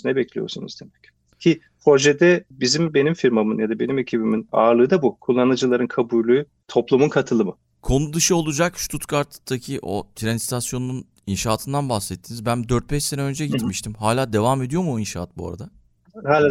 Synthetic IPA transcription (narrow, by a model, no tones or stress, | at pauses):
nɛbɛclʲḭjo̰ɾsunṵzd̪emɛc | cʰi | ho̞ʒed̪ɛbizimbe̞nimfiɾmamɯnjad̪abe̞nime̞cʰibimina̰ːɾlˠɯːd̪abukʰulˠːanad͡ʒɯlˠaɾɯnkʰabujlʲˠuː | t̪ʰo̞plˠumunkʰat̪ʰɯlˠɯmɯ | kʰo̞nud̪ɯʃɯolˠud͡ʒakʃt̪ʰut̪kʰaɾt̪d̪acʰiʔo̰t̪ʰɾanst̪ʰasjo̞nunun | inʃaːt̪ʰɯnd̪anbaxsɛt̪ʰːinizbænd̪øɾt̪̚bɛʃse̞nɛø̞nd͡ʒɛɟit̪miʃt̪ʰimhaːlʲaːd̪e̞vaːme̞d̪ijo̞muinʃaːat̪̚bua̰ɾa̰d̪a | ha